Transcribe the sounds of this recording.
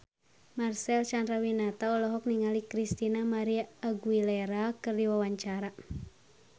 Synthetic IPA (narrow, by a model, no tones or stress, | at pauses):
marsɛlt͡ʃandɾawinat̪aɔlɔɦɔk̚niŋalikɾist̪inamaɾiaːɡwilɛɾakɨrdiwawaɲt͡ʃaɾa